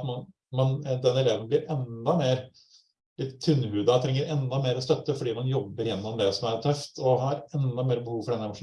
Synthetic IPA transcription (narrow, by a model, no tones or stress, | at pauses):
t̪mɑn | mɑnd̪ɛnːɛleːʋənblɪɾʔɛnd̪ɑmeːɾ | lɪt̪ːt̪ʰːʉnːhʉːd̪ɑt̪ʰɾɛŋːəɾɛnd̪ɑmeːɾɔst̪œt̪ːəfɔɖiːmɑnjɔbːəɾɪjɛnːɔmd̪ɛsɔmæɾt̪ʰœft̪ʰɔɦɑɾɛnd̪ɑmeːɾəbəhuːʋfɔɖɛnəɛmʊʂ